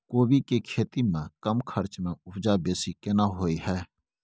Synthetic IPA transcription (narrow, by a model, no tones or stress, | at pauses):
koːbikekʰeːt̪imẽkəmkʰəɾt͡ʃmẽʊpʰd͡ʒabeːsikenaɦoːiɦɛː